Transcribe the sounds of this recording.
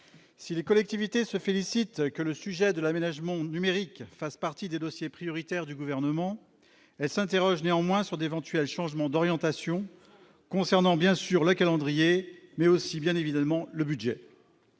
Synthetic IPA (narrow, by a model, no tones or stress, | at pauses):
silekɔlɛk̚t̪ivit̪esəfelisit̪kələsyʒɛd̪əlamenaʒmɑ̃nymeʁikfaspaʁt̪id̪ed̪ɔsjepχijɔʁit̪ɛʁd̪yɡuvɛʁnəmɑ̃ | ɛlsɛ̃t̪eʁɔʒneɑ̃mwɛ̃syʁd̪evɑ̃t̪ɥɛlʃɑ̃ʒmɑ̃d̪ɔʁjɑ̃t̪asjɔ̃ | kɔ̃sɛʁnɑ̃bjɛ̃syʁləkalɑ̃d̪ʁijemɛosibjɛ̃nevid̪amɑ̃ləbyd̪ʒɛ